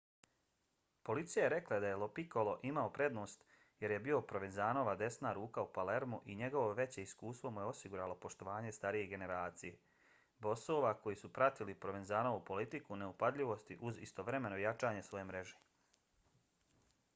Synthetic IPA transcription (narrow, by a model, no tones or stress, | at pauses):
po̞lit̪sijajeɾe̞klad̪aje̞lopiko̞lo̞ʔimaopɾe̞d̪no̞ːst̪ | je̞ɾje̞bio̞pɾo̞ʋe̞nzaːno̞ːʋad̪e̞snaɾuːkaupale̞ɾmuʔiɲe̞ɡo̞ʋoʋe̞t͡ɕe̞iskuːst̪vʋo̞mujeo̞siɡuɾaːlo̞po̞ʃt̪o̞ʋaːɲe̞st̪aɾije̞ɡe̞ne̞ɾaːt̪sije | bo̞soːʋako̞jisupɾat̪ilipɾo̞ʋe̞nzaːnoʋupo̞lit̪ikune̞upad̪ʎʲiʋo̞st̪iʔuzḭst̪o̞ʋɾe̞me̞nojat͡ʃaːɲe̞sʋo̞jemɾe̞ʒe